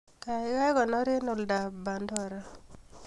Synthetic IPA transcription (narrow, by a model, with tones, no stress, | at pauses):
ka˨˦ka˦kɔ˨nɔ˦ɾɪ˦nʊ˨lda˨ba˨ndɔ˦˨ɾa˦